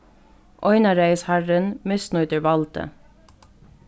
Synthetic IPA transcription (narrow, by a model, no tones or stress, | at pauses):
ʔɔʏnɑɾeɪshæɹənmɪsnʊːt̪əɹʋɑlt̪ə̰